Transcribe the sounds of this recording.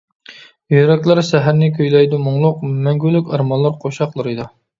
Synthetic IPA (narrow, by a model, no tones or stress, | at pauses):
jyɾɛkʲlæɾsɛɦæɾnɪkʲʰøjlɛjd̪umʊŋlˠʊqmɛŋɡʲylykʲɑɾmɑnlˠɑɾqʰoʃɑqlˠɨɾɨd̪ɑ